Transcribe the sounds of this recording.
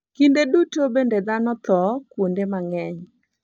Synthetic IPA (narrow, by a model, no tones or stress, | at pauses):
kindedutobended̪anɔt̪ɔkwondemaŋɛɲ